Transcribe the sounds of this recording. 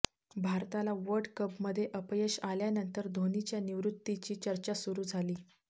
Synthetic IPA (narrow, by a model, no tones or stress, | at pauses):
bʱaɾt̪alaʋəɾɖkəpməd̪ʱːjeʔəpjəɕaljanənt̪əɾd̪ʱonit͡ɕjaniʋɾut̪ːit͡ɕiːt͡ɕəɾt͡ɕasuɾuːd͡zʱaliː